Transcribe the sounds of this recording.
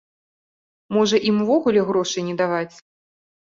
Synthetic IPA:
mɔʐɐʔimuvɔɣulʲɛɣɾɔʂɨjnʲɛd̪avat͡sʲ

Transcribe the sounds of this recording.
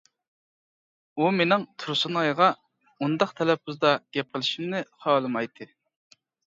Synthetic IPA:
umenɪŋt̪ʰuɾsunɑjʁɑ | und̪ɑqt̪ʰɛlɛp̚uzd̪ɑɡ̥ʲɛp̚qʰəlˠɪʃimnɪχɑːlˠɨmɑjt̪ʰɨ

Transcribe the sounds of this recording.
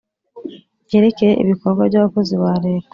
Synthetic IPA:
je̞ːɾe̞cejeʔḭβiko̞ɾɡwaβɟaβako̞ziβaːɾe̞ːka

